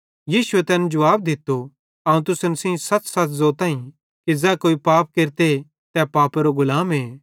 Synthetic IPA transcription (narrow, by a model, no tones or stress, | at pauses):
jiːsʊet̪ɛːnd͡ʒɐʋaːb̚d̪ɪt̪ːo | ɐũt̪ʊsənsĩːsɐtsɐt̪zoːt̪ãːĩ | kizɛːkoːipaːp̚keːɾt̪e | t̪ɛpaːpeɾoɡʊlaːmɦeː